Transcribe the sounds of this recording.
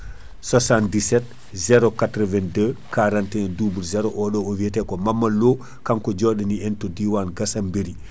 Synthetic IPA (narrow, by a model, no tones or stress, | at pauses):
sasandisɛt | zɛɾɔkatɾɔvɛndəkaɾantɛnduːbuɾzɛɾɔʔɔɗɔovitɛkɔmamːaloː | kaŋkɔd͡ʒɔɗɛniɛntɔdiwanɡasambeɾi